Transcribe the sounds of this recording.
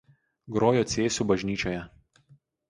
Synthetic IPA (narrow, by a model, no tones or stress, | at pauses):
ɡɾoːjoːt̪sʲeːsʲuːbɐʒʲnʲiːt͡ʃʲoːjɛ